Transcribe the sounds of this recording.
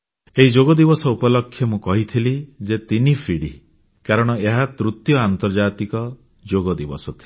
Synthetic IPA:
eɦid͡ʒoɡɔd̪ibɔsɔupɔlɔkʰːjɔmũkɔɦit̪ʰilid͡ʒet̪inipʰiɽi | kaɾɔɽ̃ɔeɦat̪ɾut̪jɔant̪ɔɾd͡ʒat̪ikɔ | d͡ʒoɡɔd̪ibɔsɔt̪ʰi̥

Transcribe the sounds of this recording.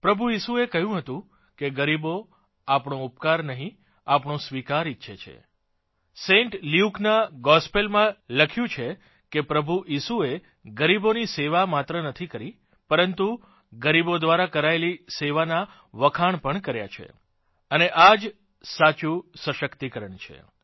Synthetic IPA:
pɾəbʱuisuekəɦjũɦət̪ũ | keɡəɾibo | apɳõupkaɾnəɦĩ | apɳõsʋikaɾitːʃʰet͡ʃʰḛ | sẽɳʈliuknaɡɔspelmãləkʰjũt͡ʃʰe | kepɾəbʱuʔisue | ɡəɾiboniseʋamat̪ɾənət̪ʰikəɾi | pəɾənt̪u | ɡəɾibod̪ʋaɾakəɾaeliseʋana | ʋəkʰaɳpəɳkəɾja̰t͡ʃʰḛ | əneʔad͡ʒ | sat͡ʃusəʃəkt̪ikəɾəɳt͡ʃʰḛ

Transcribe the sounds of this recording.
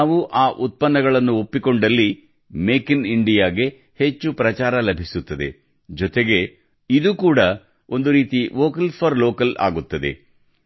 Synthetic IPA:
naːʋuʔaːʔut̪̚pɐnːɐɡɐɭɐnːuopːiko̞ɳɖɐlːi | meːkiniɳɖijaːɡe̞ | het͡ʃːupɾɐt͡ʃaːɾɐlɐbʱisut̪ːɐd̪e̞̰ | d͡ʒɔt̪e̞ɡe̞ | id̪ukuːɽɐ | o̞nd̪uɾiːt̪iʋoːkɐlpʰɐɾloːkɐla̰ːɡut̪ːɐd̪e̞̰

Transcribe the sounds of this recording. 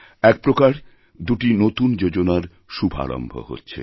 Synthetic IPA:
ɛk̚pɾokaɾ | d̪uʈinot̪und͡ʑod͡ʑonaɾ | ʃubʱa̰ɾo̰mbʱo̰ho̰tːɕʰḛ

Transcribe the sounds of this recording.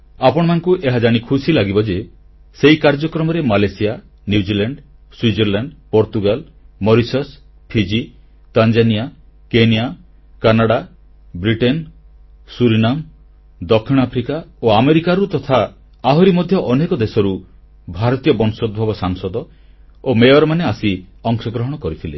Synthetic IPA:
apɔɽ̃ɔmanɔkuʔeɦad͡ʒaɽ̃ikʰusilaɡibɔd͡ʒe | seikaɾd͡ʒɔkɾɔmɔɾemalesia | njud͡ʒilaɳɖ | swid͡ʒiɾlaɳɖpɔɾt̪uɡal | mɔɾisɔs | pʰid͡ʒi | t̪and͡ʒanija | kenija | kanaɽa | bɾiʈen | suɾinam | d̪ɔkʰːiɽ̃apʰɾikaoameɾikaɾut̪ɔt̪ʰa | aɦɔɾimɔd̪ʱjɔʔɔnekɔd̪esɔɾu | bʱaɾɔt̪ijɔbɔnsɔd̪̚bʱɔbɔsaŋsɔd̪ɔ | omejɔɾmaneasiɔŋsɔɡɾɔɦɔɽ̃ɔkɔɾit̪ʰile

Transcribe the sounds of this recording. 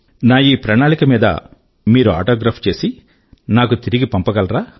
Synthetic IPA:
naːjiːpɾɐnaːɭikɐmiːd̪ɐ̰ | miːɾua̰ːʈoːɡɾaːpʰt͡ʃe̞ːsi | naːkut̪iɾiɡipɐmpɐɡɐlɾaː

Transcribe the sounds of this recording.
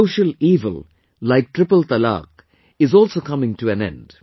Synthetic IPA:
ʊʃəliːvə̰l | laɪk̚ʈʰɾɪpəlt̪əlɑ̰ːk̚ | ɪzɔːlsokʌmɪ̃ŋʈuæ̃nɛ̰̃nd̥

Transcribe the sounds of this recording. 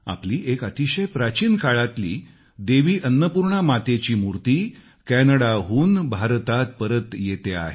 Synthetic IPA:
a̰pliːʔekət̪iɕəjpɾat͡ɕiːnkaɭat̪lḭː | d̪eʋiːʔənːəpuɾɳamat̪et͡ɕiːmuɾt̪iː | kɛnəɽaɦuːnbʱaɾt̪at̪̚pəɾət̪jet̪ea̰ɦe

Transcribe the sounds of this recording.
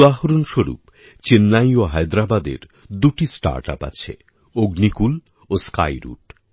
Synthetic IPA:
aɦoɾonʃoɾṵp | t͡ɕenːajoɦajd̪ɾabad̪ḛɾ | d̪uʈisʈa̰ɾʈa̰pa̰t͡ɕʰḛ | oɡnikul | oska̰jɾṵʈ

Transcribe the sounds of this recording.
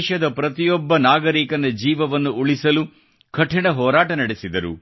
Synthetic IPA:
ʃɐd̪ɐpɾɐt̪ijɔbːɐnaːɡɐɾiːkɐnɐd͡ʒiːʋɐʋɐnːuuɭisɐlu | kʰɐʈʰːiɳɐɦɔːɾaːʈɐnɐɽesid̪ɐɾṵ

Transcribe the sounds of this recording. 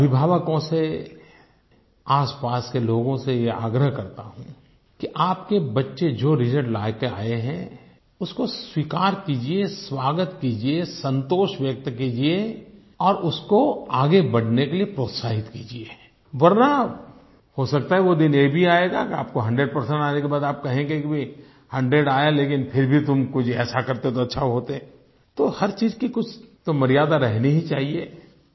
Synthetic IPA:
ɐbʱɪbʱaːʋəkõse | aːspaːskeloːɡõsejea̰ːɡɾəɦkɐɾt̪a̰ɦũ | kiʔaːpkebɐtːʃed͡ʒoːɾɪsəɾɖlaːjkea̰ːeɦɛ̰̃ | ʊskoswikaːɾkiːd͡ʒieswaːɡət̪kiːd͡ʒiesə̃nt̪oːʃʋjɐk̚t̪kiːd͡ʒie | ɔːɾʊskoaːɡebɐɽ̤nekeliepɾoːt̪saːɦɪt̪kiːd͡ʒie | ʋɐɾna | hosɐkt̪aɦɛʋod̪ɪnjebʱiaːeɡa̰kea̰ːp̚koɦɐ̃ɳɖɾeɖ̚pɐɾsɛ̃ɳʈaːnekebaːd̪aːp̚kɐɦẽŋɡekibʱi | hɐ̃ɳɖɾeɖaːjaleːk̬ɪnpʰɪɾbʱit̪ʊmkʊt͡ʃʰɛ̰ːsakɐɾt̪eɦõt̪oɐtːʃʰaɦoːt̪eɛ̃ | t̪ohɐɾt͡ʃiːzkikʊt͡ʃʰt̪omɐɾijaːd̪aɾɛɦniɦit͡ʃaːɦie

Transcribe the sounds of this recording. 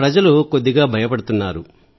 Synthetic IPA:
ɾɐd͡ʒɐluko̞d̪ːiɡaːbʱɐjɐpɐɽut̪unːaːɾu

